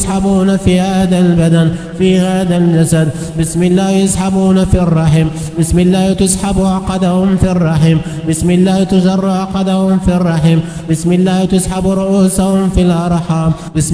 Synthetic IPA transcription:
sħabuːnafiːhaːd̪albad̪an | fiːhaːðald͡ʒasad̪ | bɪsmɪlːaːhjasħabuːnafirˤːɑħɪm | bɪsmɪlːaːht̪ʊsħabʊʕɑqɑd̪ahʊmfirˤːɑħiːm | bɪsmɪlːaːht̪ʊzɑrˤːʊʕɑqɑd̪ahʊmfirˤːɑħim | bɪsmɪlːaːht̪ʊsħabɾˤʊʔuːsahʊmfilʔɑɾˤħɑːm | bɪs

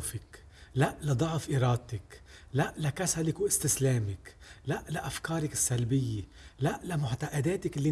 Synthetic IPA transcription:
fɪk | laʔlad̪ˤɑʕfʔiɾˤɑːd̪̚t̪ɪk | laʔlakasalɪkwʔɪst̪ɪsleːmɪk | laʔlaʔafkɑːɾˤɪkɪ̥sːalbɪjːe | laʔlamʊħt̪aʔad̪eːt̪ɪkɪlːi

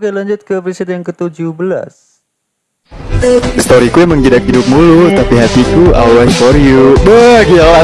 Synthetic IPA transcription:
ɡalaɲd͡ʒʊt̪̚kəpɾisɪt̪jaŋkət̪ud͡ʒubəla̰s | st̪ɔɾikujaməŋɡidakɦidʊp̚mulut̪apiɦat̪ikua̰wwajfɔɾjubəɡiaa

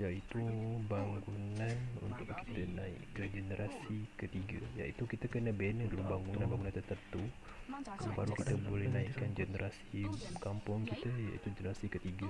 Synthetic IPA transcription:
jaʔit̪ubaŋɡunanṵnt̪ʊkkːi̥t̪ənaḭkːəɡənəɾʔasikət̪iɡaja̰it̪ukit̪akənəbenədalubaŋɡunanbaŋɡunant̪ət̪ənt̪u | daŋba̰ɾukit̪əbolɛhnaiʔkanɡənəɾʔasikampʊŋkit̪əja̰ʔḭt̪ud͡ʒənəɾasikət̪iɡa

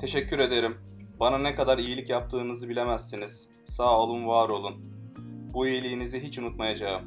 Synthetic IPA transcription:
t̪ʰe̞ʃɛcːyɾe̞d̪e̞ɾim | bananɛkad̪aɾijilʲicjap̚t̪ʰɯːnɯzɯbilʲe̞mæzːiniz̥ | saːolˠunvaːɾo̞lˠunbuijilʲiːniziɦit͡ʃunut̪majad͡ʒaɯm

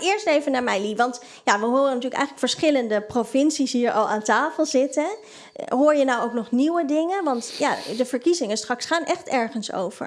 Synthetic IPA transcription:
ɪːɹstejvənaːɹmɛjliʋɑnt | jaʋəɦoːrənatyːləkɛ̰jχələkfəɹsχɪləndəprofɪnsisɦiəɹʔɑlˠaːntaːfəlˠzɪtə | ɦoːɹjənawowknɔχniwədɪŋənʋɑntja̰ːdəvəɹkizɪŋənstrɑksχaːnʔɛχtɛɹχənso̰wv̥ə̰ɹ

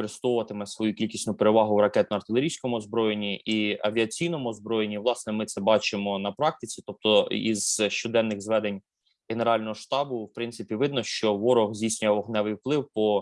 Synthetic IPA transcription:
ɔɾɪst̪ɔʋʊʋɐt̪ɪmɛsʋɔjukʲilʲkʲisʲnʊpeɾeʋɑɦʊwɾɐkɛt̪nɔɐrt̪ɪlʲˠeɾʲijsʲkɔmʊɔzbɾɔjenʲːiʔiɐʋʲiɐt͡sʲijnɔmʊɔzbɾɔjenʲːiʋlˠɑsnɛmɪt̪sɛbɑt͡ʃɪmɔnɐpɾɑk̚t̪ɪt͡sʲit̪ɔp̚t̪ɔḭzʃt͡ʃɔd̪ɛnːɪɣzʋɛd̪enʲ | ɣeneɾɑlʲnɔɦɔʃt̪ɑbʊwpɾɪnt̪sɪpʲiʋɪd̪nɔʃt͡ʃɔʋɔɾɔɣzʲdʲijsʲnʲʊjɛɔɦnɛʋɪjwplˠɪwpɔ

